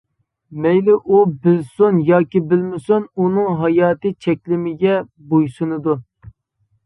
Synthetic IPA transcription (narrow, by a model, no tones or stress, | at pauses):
mɛjlɪʔubɪlsunjɑːkʲibɪlmɪsununɨŋɦɑjɑːt̪ɨt͡ʃʰɛkʲlɪmɪɡʲɛ | bojsunɨd̪u